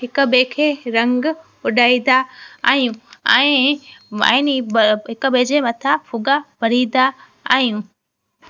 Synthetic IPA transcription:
ɦɪkəbẽkʰeːɾɐ̃ŋɡ | ʊɗaːĩd̪aa̰ːɦijũɛ̃ː | ã̰nɦɪkəbed͡ʑemɐt̪ʰafʊɡabɐɽ̤ĩːd̪a | a̰ːɦijũ

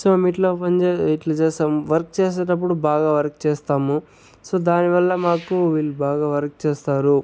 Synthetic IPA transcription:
soːmiʈloːpɐɲd͡ʒeiʈlɐt͡ʃeːsaːmʋɐɾkt͡ʃeːs̬ɐʈɐp̬ːuɽubaːɡaːʋɐɾk̚t͡ʃeːst̪aːmu | soːd̪aːniʋɐlːɐmaːkuʋiːlːubaːɡaːʋɐɾk̚t͡ʃeːst̪aːɾu

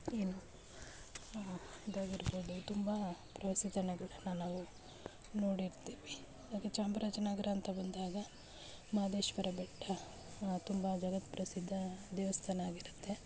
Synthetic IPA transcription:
eːnu | id̪aːɡiɾboːd̪ut̪umbɐpɾɐʋɐsid̪ɐnɛɡɐɭɐnːɐnaːʋu | noːɽiɾt̪eːʋi | ɐd̪aːket͡ʃaːmbɐɾat͡ʃɐnaːɡɐɾaːnt̪ʰɐbɐnd̪aːɡɐ | maːd̪eːʃʋɐɾɐbɛʈːɐ | t̪umbɐd͡ʒɐɡɐt̪pɾɐsid̪ʱːɐd̪ɛːʋɐst̪ʰɐnaːɡiɾut̪ːe̞

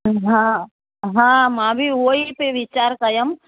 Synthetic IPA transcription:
ɦã | ɦãːmãːbʱioipeʋit͡ʃaːɾkɐjəm

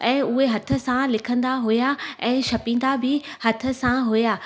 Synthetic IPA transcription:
ɛ̃ːʊɦeɦɐt̪ʰə̆sãlɪkʰə̃nd̪aɦujaɛ̃ːʃɐpĩːn̆d̪abʱɪhɐt̪ʰə̆sãɦujaː

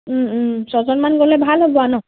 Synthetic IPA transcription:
sɔzɔnmanɡolebʱalɦobɔanɔ

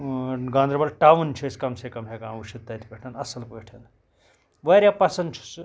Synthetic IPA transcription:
ɡãːnd̪ɾɐbɐlʈaːʋunt͡ʃʰiskɐmsekɐmɦekaːmuʃit̪ːɐt̪ipɐʈʰɐnɐsɐlpɐːʈʰɐn | ʋɐɾʲjapɐsɐnt͡ʃʰi̥s

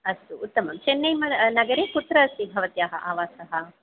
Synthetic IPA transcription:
ɐst̪uːt̪ːɐmɐmt͡ʃenːɐjmɐnɐɡɐɾeːkut̪ɾɐɐsibʱɐʋɐt̪jaːɦɐ̰ʔaːʋaːsɐɦɐ

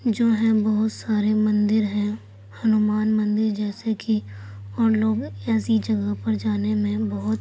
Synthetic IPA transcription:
d͡ʒoːɦɛ̃bəɦʊt̪saːɾemɐ̃nd̪ɪɾɦɛ̃ | hɐnumaːnmɐ̃nd̪ɪɾd͡ʒɛːsekʰiɔːɾloːɡɛːsid͡ʒɐɡəɦpɐɾd͡ʒaːnemẽbɐɦʊt̪

